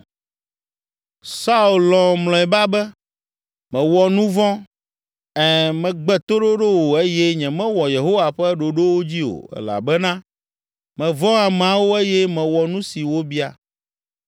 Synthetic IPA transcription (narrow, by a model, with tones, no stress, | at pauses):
sa˦u˨llɔ̃˨mlɔ̃˨ɛ˨ba˦bɛ˦ | mɛ̃˨wɔ˨nũ˦vɔ̃˦ | ɛ˨mɛ̃˨ɡ͡bɛ˦t̪o˦ɖo˦ɖo˦wo˨e˦je˦ɲɛ̃˨mɛ̃˦wɔ˨je˨ɦo˦wa˨ɸɛ˦ɖo˨ɖo˦wo˦d͡ʑi˦o̰˨ɛ̰˨la̰˨bɛ˦nã˦ | mɛ̃˨vɔ̃˦a˨mɛ˨ã˦wo˦e˦jɛ˦mɛ̃˨wɔ˨nũ˦si˨wo˦bi˦a˨